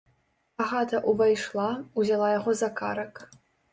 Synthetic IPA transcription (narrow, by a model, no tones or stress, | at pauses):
aʁat̪ɐʔuvajʂlˠauzʲɛlˠajaʁɔzakaɾɐk